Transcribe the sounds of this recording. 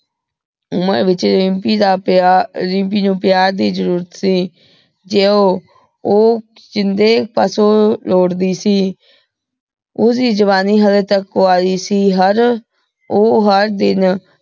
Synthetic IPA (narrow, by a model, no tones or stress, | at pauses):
ʊmə̰ɾʋɪt͡ʃɾɪmpiːd̪aː | ɾɪ̃mpiːnũːpɪjaːɾd̪iːzəɾuːɾət̪siː | d͡ʒeːoː | oː | d͡ʒɪnd̪eːpaːsoːloːɽd̪iːsiː | ʊiːd͡ʒəʋaːniːɦəlet̪əkoːaːdiːsiːɦəɾ | oːɦəɾd̪ɪn